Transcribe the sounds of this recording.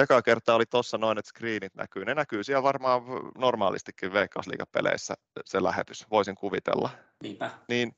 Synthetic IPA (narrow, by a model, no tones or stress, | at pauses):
jokɑkert̪ɑːolit̪osːɑnoinet̪skriːnit̪næ̰kyːnenækyːsiɛlʋɑrmɑːʋnormɑ̰ːlḭst̪ikːiʋʋeikːɑuslḭːkɑppelḛisːæ̰ | selæ̰hḛt̪ysʋoisiŋkuʋit̪ḛlːɑ | nipæniːn